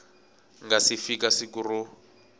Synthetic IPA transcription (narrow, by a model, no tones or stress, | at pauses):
ŋɡasifikasikuru